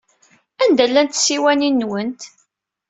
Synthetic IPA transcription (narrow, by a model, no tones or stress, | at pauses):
ænd̪ælːænt̪siwæninːwənt̪